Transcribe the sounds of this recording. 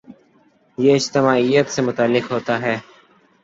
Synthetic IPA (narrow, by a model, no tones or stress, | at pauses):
jeɪd͡ʒt̪ɪmaːijət̪semʊt̪aːlːɪkɦoːt̪aɦɛː